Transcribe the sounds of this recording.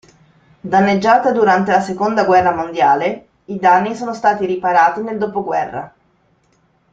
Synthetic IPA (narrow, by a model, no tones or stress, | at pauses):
d̪anːed͡ʒːaːt̪ad̪uɾant̪elasekond̪aɡwɛrːamond̪jaːle | id̪anːisoːnost̪aːt̪iɾipaɾaːt̪ineld̪oːpoɡwɛ̰rːa̰